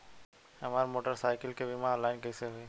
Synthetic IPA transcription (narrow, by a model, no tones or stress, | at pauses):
hɐmaːɾmoːʈəɾsaːɪkəlkebɪmãːlaːɪnkɛːseɦoiː